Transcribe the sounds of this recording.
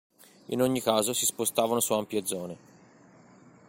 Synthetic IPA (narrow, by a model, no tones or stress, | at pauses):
ḭnoɲːikaːzosispost̪aːvanosuampjed̪zːɔːne